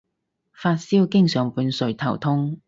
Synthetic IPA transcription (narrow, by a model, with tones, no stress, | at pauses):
faː˧t̚siː˥wkɪ˥ŋsœː˨ŋpuː˨˧nsɵ˨˧ɥt̪ʰɐ˨˩wt̪ʰʊ˥ŋ